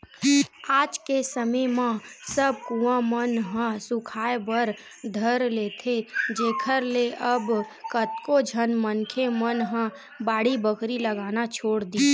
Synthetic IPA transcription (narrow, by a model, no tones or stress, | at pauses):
aːd͡ʒkesəməjmãsəb̚kuwãmənɦə̃sʊkʰaːebəɾ | d̪ʱəɾleːt̪ʰed͡ʒeːkʰəɾleʔəbkət̪kod͡ʒʱənmənkʰemənɦə̃ | baːɽ̤ibəkɾiləɡaːnat͡ʃʰoːɽd̪i